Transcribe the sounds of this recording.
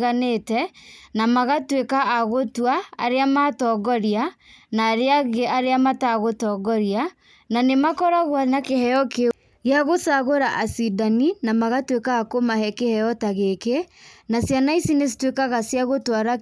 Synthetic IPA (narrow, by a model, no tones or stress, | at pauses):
ɣanetɛnamaɣatwekaʔːɣotwa̰ːɾeamatɔɡɔɾianaːɾeaɣeaɾeamataɣotɔɡɔɾia | nanemakɔɾaɣwanakehɛjɔke | ɣeaɣosaɣoɾaʔasidaninamaɣatwekaːkomahɛkehɛjɔtaɣekenasjanaisinesi̥twekaɣasjaɣotwaɾa